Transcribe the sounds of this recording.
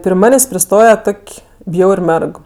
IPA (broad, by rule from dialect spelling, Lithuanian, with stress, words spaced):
pʲrʲɪ ˈmɑːnʲeːsʲ pʲrʲɪˈstoːjɛ ˈtoːkʲ ˈbʲjɛʊrʲ ˈmʲɛrk